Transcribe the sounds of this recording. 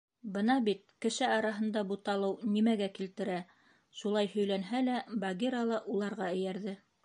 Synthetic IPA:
bɤnɑbit̪̚kɘ̆ʃɘɑɾɑɦɤ̆nd̪ɑbut̪ɑlˠɤwnimæɡækilt̪ɘ̆ɾæ | ʃulˠɑjhɵ̆jlænɦælæbɑɡʲeɾalˠɑʔulˠɑɾʁɑɘ̆jæɾðɘ

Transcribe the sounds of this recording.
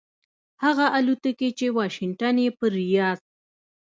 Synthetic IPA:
haɣaʔalut̪əket͡ʃewɑʃɪŋʈanjepəɾːijɑz̥

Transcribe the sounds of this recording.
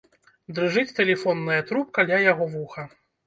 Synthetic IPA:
d̪ɾɨʐɨt͡sʲt̪ɛlʲɛfɔnːɨjɐt̪ɾup̚kalʲajaɣɔvuxɐ

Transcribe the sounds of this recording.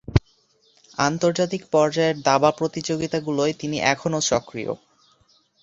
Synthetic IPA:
ant̪oɾd͡ʑat̪̬ikpɔɾd͡ʑaeɾd̪abapɾot̪id͡ʑoɡit̪aɡuloet̪iniʔɛkʰonoʃɔkɾḭjo̰

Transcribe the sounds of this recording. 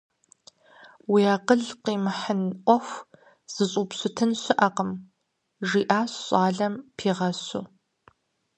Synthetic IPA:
wiːaːqəɮqiːmħənʔʷɔxʷ | z̥ɨɕʼuːpɕʷʊtʰɨnɕɪʔɐqəm | ʒiːʔaːɕɕʼaːɮɐmpʰiːʁɐɕu

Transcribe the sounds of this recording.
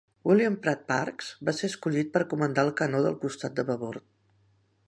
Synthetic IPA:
iliampɾat̪̚pa̰ɾkz̥baseəskuʎit̪̚pəɾkumənt̪aəlˠkənoðə̰lˠkust̪at̪̚d̪əβəβoɾt̪̚

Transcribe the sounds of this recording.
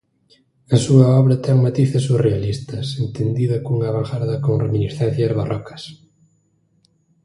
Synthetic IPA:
esuaɔβɾat̪ɛŋmat̪iθesurealist̪ɐsent̪end̪iðakuŋaβaŋxaɾðɐkõŋreminisθɛn̟θjazβarʔɔkɐ̥s

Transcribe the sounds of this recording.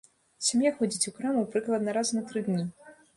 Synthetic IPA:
sʲamjaxɔd͡zʲit͡sʲukɾamuwpɾɨklˠɐd̪nɐɾaznɐt̪ɾɨd̪nʲi

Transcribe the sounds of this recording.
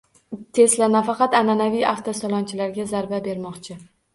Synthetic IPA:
t̪ʰe̞slanafɑqɑt̪ananavijaft̪ʰasɒlˠɒnt͡ʃʰɪlaɾɡʲazaɾbabe̞ɾmɒqt͡ʃʰɪ

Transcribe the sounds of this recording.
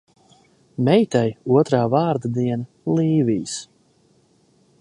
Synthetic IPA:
mɛjt̪ajuɔt̪ɾaːvaːɾd̪ad̪iɛna | lˠiːvijs

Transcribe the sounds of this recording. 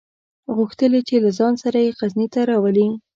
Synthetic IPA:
ɣuxt̪əlet͡ʃelazɑnsaɾajeqaznit̪aɾɑwali

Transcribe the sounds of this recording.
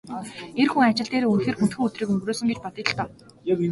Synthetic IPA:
erxuŋat͡ɕɪ̆ɮt̪eːɾeːunxeːrxunt̪xɘ̆ŋɵt̪riːkɵŋɡroːsɵ̆ŋɡet͡ɕpɔt̪ĭːt̆ɬt̪ɔː

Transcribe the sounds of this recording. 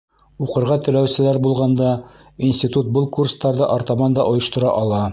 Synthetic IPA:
uqɤ̆ɾʁɑt̪ɘ̆læwsɘ̆læɾbulˠʁɑnd̪ɑ | insʲt̪ʲit̪ut̪̚bɤlˠkurst̪ɑɾðɤʔoɾt̪ɑmɑnd̪ɑʔŏjɤ̆ʃt̪ŏɾɑ̰ʔɒlˠɑ

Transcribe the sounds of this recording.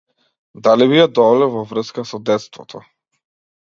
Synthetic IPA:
d̪aliβijad̪ɔlɛvɔvr̩skasɔd̪ɛt̪st̪vɔt̪ʰɔ

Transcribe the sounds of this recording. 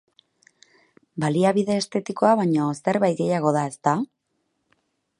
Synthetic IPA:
baliaβiðe̞ːst̪e̞t̪iko̞aβaɲo̞se̞ɾβajt̪̚ɡe̞jaɣ̞o̞ð̞ae̞st̪a

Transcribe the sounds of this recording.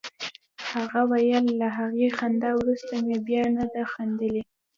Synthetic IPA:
haɣawajəlːaɦaɣexand̪ɑwɾust̪amebjɑnad̪axand̪əle

